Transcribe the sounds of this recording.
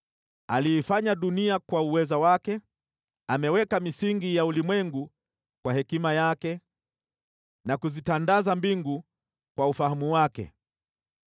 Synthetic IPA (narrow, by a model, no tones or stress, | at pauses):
aliːfaɲaɗuniakwauwɛzawakɛ | amɛwɛkamisiŋɡijaulimwɛŋɡu | kwahɛkimajakɛ | nakuzitandazambiŋɡu | kwaufahamuwakɛ̰